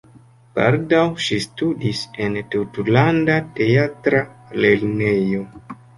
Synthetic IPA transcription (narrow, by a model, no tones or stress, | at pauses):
pa̰ɾdawʃistudise̞ntutlandate̞atɾale̞lne̞jo̞